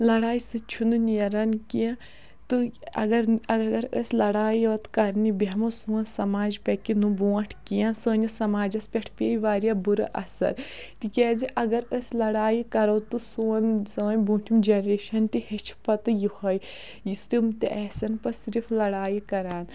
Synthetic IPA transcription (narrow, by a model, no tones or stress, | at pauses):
lɐɽaːjisɨt͡ʃʰununiɐɾɐnkijã | t̪ɨɐ̰ɡɐɾɐɡɐɾə̰sʲlɐɽaːjiɐt̪kɐɾnibemɐsuːɐnsɐmaːd͡ʒpʲɐkinubuːʈʰkijãsəːnʲisɐmaːd͡ʒɐspʲeʈʰpʲeːjiʋaːɾjabuɾɐ̰ʔɐ̰sɐ̰ɾ | t̪ikʲɛːziʔɐɡɐɾəsʲlɐɽaːjikɐɾɐwt̪ɨsuːnsəːnʲbuːʈʰimd͡ʒenɾeːʃɐnt̪ihet͡ʃʰpɐt̪ɨjihɐj | jist̪umt̪eʔɛːsɐnpɐsiɾifʰlɐɽaːjikɐɾaːn